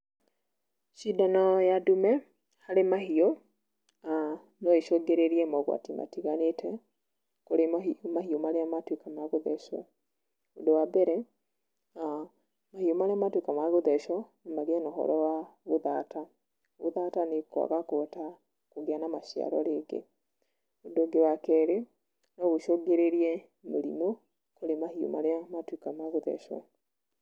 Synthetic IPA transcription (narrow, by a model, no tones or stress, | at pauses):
ʃidanɔjadumɛ | haɾemahiɔ | a | nɔiʃɔɡeɾeɾiɛmɔɣwa̰tima̰tiɣanetʰɛ | koɾemaɦiomaɾeamatwekamaɣoðɛʃɔ̰ | odowabɛɾɛ | a | mahiɔmaɾeamatwekamaɣoðɛʃɔnemaɣɛnɔɦɔ̰ɾɔwaβoðata | βo̰ðatanekwa̰ɣakota | koɣeanamaʃia̰ɾɔ̰ɾeɡḛ | odoɡewakɛɾe | nɔɣoʃoɡeɾeɾiɛ | moɾḭmo | koɾemahio̰ma̰ɾeamatwekamaɣoðɛ̰ʃɔ̰